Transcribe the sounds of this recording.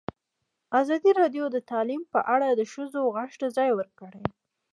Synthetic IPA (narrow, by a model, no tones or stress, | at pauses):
azɑd̪iɾɑd̪jod̪ət̪ɑlimpəʔaɽad̪əʃəzoɣaʃʈazɑjwəɾkəɽe